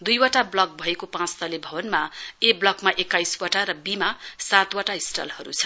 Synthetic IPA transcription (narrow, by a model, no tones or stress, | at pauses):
d̪ujwaʈablʌk̚bʱʌekopãt͡st̪ʌlebʱʌbʌnmaeblʌkmaʔekːajswaʈaɾʌbimasat̪waʈaisʈʌ̰lhʌɾṵt͡sʰʌ̥